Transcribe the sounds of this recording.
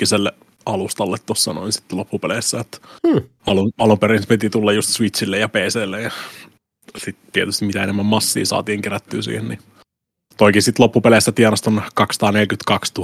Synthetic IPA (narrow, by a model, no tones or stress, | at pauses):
iselːe | ɑlust̪ɑlːet̪t̪osːɑno̰insi̥t̪ːlopːupelesːæjot̪ː | ɑluɑlupeɾinspit̪it̪ulːɑjust̪sʋisilːejɑpeːseːlːejjɑ | sit̪t̪iet̪yst̪imit̪æenemːæmmɑsːḭːsɑ̰ːt̪iːŋkeræt̪ːyːsḭːhenni | t̪oikisit̪lopːupelesːæt̪iɑnɑst̪onkɑksːɑ̥t̪ɑːnelkyt̪kɑkst̪u